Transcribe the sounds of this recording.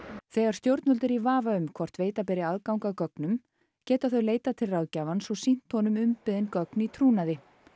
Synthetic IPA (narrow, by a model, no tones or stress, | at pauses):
θɛːɣaɾst̪jowɾt̪nʏlt̪ɪɾivaːvaʏmkʰvɔr̥t̪veːjt̪ap̬ɛɾɪaðkawŋkakœknʏm | cɛːt̪aθœɥleːjt̪at̪ʰɪlrawðcaːvansɔwsin̥t̪hɔnʏmʏmpɪðɪnkœknit̪ʰɾuːnaðɪ